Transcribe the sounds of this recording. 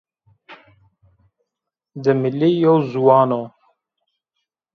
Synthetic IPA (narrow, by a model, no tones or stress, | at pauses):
d̪əmilijowzuwɑːno